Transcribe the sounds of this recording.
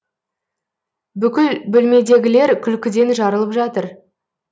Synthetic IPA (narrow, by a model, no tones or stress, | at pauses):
bʏkʲɪlbʏlme̞d̪e̞ɡʲɪle̞ɾkʲʰʏlkʲɪd̪e̞nʒɑɾəlˠəpʒɑt̪əɾ